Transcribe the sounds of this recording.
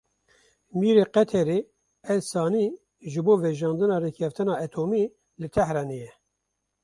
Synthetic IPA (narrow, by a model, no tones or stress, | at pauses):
miːɾeːqɛt̪ʰɛɾeː | ɛlsɑːni | ʒɨboːvɛʒɑːnd̪ɨnɑːrekʰɛft̪ɨnɑːɛt̪ʰoːmiː | lɨt̪ʰɛhɾɑnejɛ